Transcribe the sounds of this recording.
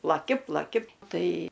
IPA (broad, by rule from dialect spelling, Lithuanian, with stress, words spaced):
plˠɐˈkʲɪ plˠɐˈkʲɪ ˈtɐɪ